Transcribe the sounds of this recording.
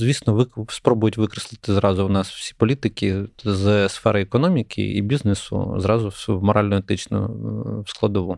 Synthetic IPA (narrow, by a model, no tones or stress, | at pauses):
zʋʲisnɔʋɪspɾɔbʊjʊtʲʋɪkɾeslˠɪt̪ɪzɾɑzʊwnɑsw̥sʲi̥pɔlʲit̪ɪkʲɪzsfɛɾɐɛkɔnɔmʲikʰɪ̰ḭbʲiznesʊ̰zɾɑzʊmɔɾɑlʲnɔet̪ɪt͡ʃnɔ̰wsklˠɐd̪ɔʋu